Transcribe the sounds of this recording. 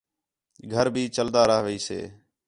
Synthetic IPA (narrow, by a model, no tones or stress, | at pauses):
ɡʱəɾbʱiːt͡ʃəld̪aːɾəːɦʋəiːsḛː